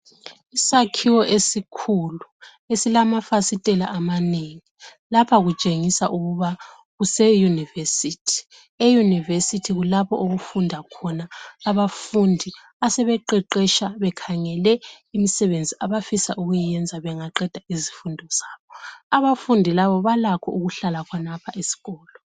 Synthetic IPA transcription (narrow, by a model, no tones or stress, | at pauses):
isakʰiwɔʔesikʰulu | esilamafasitʼɛlaʔamaneŋi | lapʰaɣut͡ʃʼeŋisaʔuɣuβa | ɣusɛjunivesiːtʰi̥ | ejunivesitʰiɣulapɔ̰ʔoɣufundʱakʰɔnaːβafundʱi | asɛβɛǃɛǃɛʃaβɛkʰaŋɛlɛ | imisɛβend͡zʱiʔaβafisa̰ʔuɣujijɛnd͡zʱaβɛŋaǃɛd̥ʱaizi̥fundʱɔz̥aːβɔaβafundʱilaβɔβalakʰɔʔuɣuɬalakʰɔnapʰaʔesi̥ɣɔːlɔ